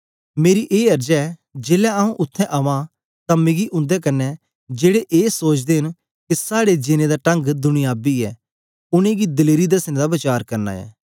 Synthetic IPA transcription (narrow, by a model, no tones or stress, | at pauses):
meːɾiʔeːɐɾd͡ʒaɛd͡ʒeːlɛaːũʔʊt̪ʰːɛ̃ʔɐʋã | t̪ãmẽːɡiʔʊ̃nd̪ɛkɐnːɛ | d͡ʒeːɽeʔeːsoːt͡ʃʰd̪eːɦɪn | kɪsaːɽed͡ʒɪnẽd̪aːʈɐ̃ŋɡd̪ʊɽ̃ɪjaːbiɛ̰ː | ʊnẽːɡid̪ɪleːɾid̪ɐsnẽd̪abɪt͡ʃaːɾkɐɾna̰ːɛ̰ː